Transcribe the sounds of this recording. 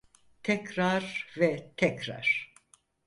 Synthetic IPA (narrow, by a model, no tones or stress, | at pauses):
t̪ʰɛcɾaɾvɛt̪ʰɛcɾa̰ɾ̥